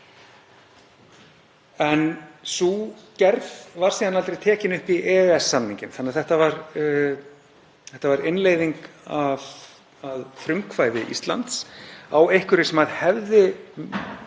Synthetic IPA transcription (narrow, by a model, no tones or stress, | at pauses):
ɛnsucɛɾðvaɾ̥siːðanalt̪ɾejt̪ʰɛːcɪnʏhpiʔɛːɛsːanĩɲcɪmθanːɛaðθɛht̪avaɾ | θɛht̪avaɾɪnleːjðiŋkav | aðθɾʏmkʰvaːjðɪʔḭst̪la̰nt̪sawejhkʏɾɪ̥sɛmhaðhɛvðɪ